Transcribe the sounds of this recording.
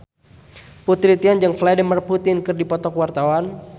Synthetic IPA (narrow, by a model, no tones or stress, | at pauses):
put̪ɾit̪iand͡ʒəŋflɛdəmərput̪ɪnkɨrdipɔt̪ɔkwart̪awan